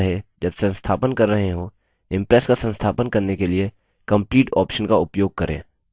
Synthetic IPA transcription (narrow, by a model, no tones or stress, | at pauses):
ɦed͡ʒɐbsɐ̃nst̪ʰaːpənkɐɾːɐɦẽɦo | ɪ̃mpɾɛːskasə̃nst̪ʰaːpənkɐɾnekelie | kɐ̃mpliːʈɔ̰ːpʃənkaʊpjoːɡ̚kɐɾʔḛ̃ː